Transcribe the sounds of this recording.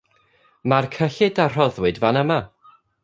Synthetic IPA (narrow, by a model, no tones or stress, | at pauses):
markʰəɬɪdar̥ɔðwɨdvanəma